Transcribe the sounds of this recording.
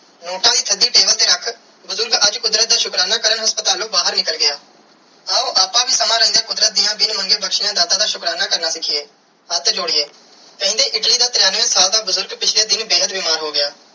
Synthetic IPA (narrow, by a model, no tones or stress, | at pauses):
noːʈãːd̪iːt̪ʰəd̪iːʈeːbəlt̪eːɾəkʰ | bʊzʊɾɡəd͡ʒkʊd̪ɾət̪̚d̪aːʃʊkɾaːnaːkəɾəɳɦəspət̪aːlõːbaːɦəɾnɪkəlɡɪjaː | aːoːʔaːpãːbʱiːsəmãːɾə̃ːnd̪aːkʊd̪ɾət̪̚d̪ɪjãːbɪnməŋɡeːbəkʃɪjãːd̪aːt̪aːd̪aːʃʊkɾaːnaːkəɾnaːsɪkʰieː | ət̪d͡ʒʊɽiːeː | pɛ̃ːnd̪eːʔɪʈliːd̪aːt̪ɾjaːnʋẽːsaːld̪aːbəzʊɾɡpɪt͡ʃʰleːd̪ɪnbeːɦət̪bɪːmaːɾɦoːɡɪjaː